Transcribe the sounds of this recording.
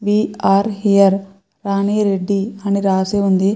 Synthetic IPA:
ʋiːaːɾɦijɐɾ | ɾaːniːɾeɖːiɐniɾaːseːund̪i

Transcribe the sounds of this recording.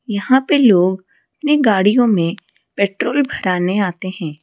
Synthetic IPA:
jɐhãpeloːɡ | ɐpneɡaːɽijõmẽ | pɛːʈɾoːlbʱɐɾaːneaːt̪eɦɛ̃ː

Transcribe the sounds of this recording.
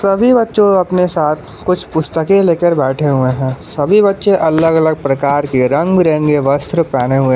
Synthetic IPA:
sɐbʱibɐtːʃõɐpnesaːt̪ʰ | kʊt͡ʃʰpʊst̪əkeleːkəɾbɛːʈʰeɦʊeɦɛ̃ːsɐbʱibɐtːʃẽʔɐləɡələɡ̚pɾɐkaːɾkeɾɐ̃ŋɡbiɾɛ̃ːŋɡeʋɐst̪ɾəpɛːneɦʊe

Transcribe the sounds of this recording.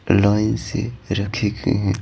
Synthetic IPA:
laːɪnsḛɾɐkʰeɡḛɦɛ̃

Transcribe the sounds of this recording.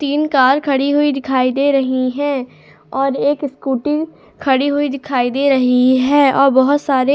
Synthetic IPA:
t̪iːnkaːɾkʰɐɽiɦʊid̪ɪkʰaːid̪eːɾɐɦiɦɛ̃ː | ɔːɾeːkɪskuːʈɪ̃ | kʰɐɽiɦʊid̪ɪkʰaːid̪eːɾɐɦiɦɛːɔːɾbɐɦʊt̪saːɾe

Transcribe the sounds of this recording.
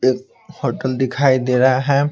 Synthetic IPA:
eːk̚ | hoːʈəld̪ɪkʰaːid̪eɾaɦɛ

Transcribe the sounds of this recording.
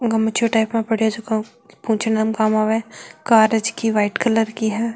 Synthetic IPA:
ɡɐmət͡ʃʰoʈaːɪpmẽpɐɽ̤iad͡ʒok | pũːt͡ʃʰnamkaːmaːʋekaːɾəd͡ʒkiʋaːɪʈkɐləɾkiɦɛː

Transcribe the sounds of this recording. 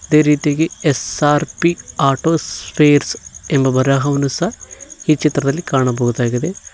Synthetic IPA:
id̪eːɾiːt̪ijɐɡeesaːɾpiaːʈoːspʰeːɾsembɐbɐɾaːɦɐʋɐnusɐiːt͡ʃit̪ɾɐðɐlːikaːɳɐbɐɣud̪aːɡid̪e

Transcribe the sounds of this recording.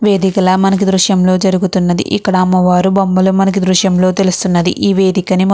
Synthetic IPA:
ʋe̞ːd̪ikɐlɐːmɐnɐk̬id̪ɾuʃjɐmlo̞ːd͡ʒɐɾuɡut̪unːɐd̪ḭʔikːɐɽɐmːɐʋaːɾubɐmbɐlumɐnɐk̬id̪ɾuʂjɐmlo̞ːt̪e̞lust̪unːɐd̪iʔiːʋe̞ːd̪ikɐnim

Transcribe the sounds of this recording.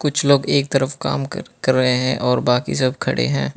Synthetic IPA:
kʊt͡ʃʰloːɡeːk̚t̪ɐɾəfka̰ːmkɐɾːəɦeɦɛ̰̃ʔɔːɾbaːkḭsɐb̚ʱkʰɐɽḛɦɛ̃ː

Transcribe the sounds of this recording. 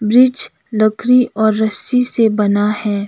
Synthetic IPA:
bɾɪd͡ʒ | lɐkʰɾiʔɔːɾːɐsisebɐnahɛ̃ː

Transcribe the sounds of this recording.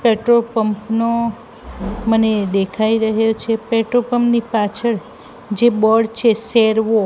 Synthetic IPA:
peʈɾopəmpno | məned̪ekʰaiɾəɦjot͡ʃʰepeʈɾopəmpnipat͡ʃʰəɭ | d͡ʒebɔɽt͡ʃʰeseɾʋo

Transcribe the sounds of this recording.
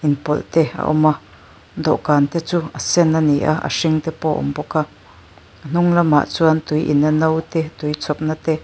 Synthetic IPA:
ʔinpɔlt̪ɛa̰ʔɔ̰ma | d̪ɔ̰ʔkaːnt̪ɛt͡suɐsɛnːaniʔa̰ɐ̰ʂiŋt̪ɛpɔʔɔ̰mbɔka | ɐn̥uŋlɐma̰ʔt͡suɐnt̪ujʔḭnːɐnɐwt̪ɛt̪ujt͡sʰɔp̚nat̪ɛ

